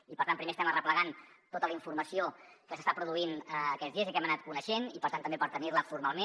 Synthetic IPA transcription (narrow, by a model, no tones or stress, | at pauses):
ipəɾt̪anpɾimest̪ɛmərəpləɣan | t̪ot̪ələiɱfurməsiokəsəst̪apɾuðuinəːkɛd͡zðiəzəkɛmənat̪̚kunəʃenipəɾt̪ant̪əmbepəɾt̪ənirləfuɾmalˠmẽ